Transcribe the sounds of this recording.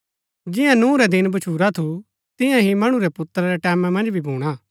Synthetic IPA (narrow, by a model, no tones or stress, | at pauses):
d͡ʒɪjãnũːɾɛd̪ɪnbɐt͡ʃʰuːɾat̪ʰu | t̪ɪ̃jãɦimɐɽ̃ũɾɛpʊt̪ːɾaɾɛʈɛːmãmɐ̃nd͡ʒbʱibʱuːɽ̃a